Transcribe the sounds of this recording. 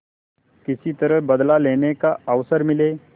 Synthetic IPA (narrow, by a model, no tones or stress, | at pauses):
kɪsit̪əɾəɦbɐd̪laleːnekaəʋsəɾmɪleː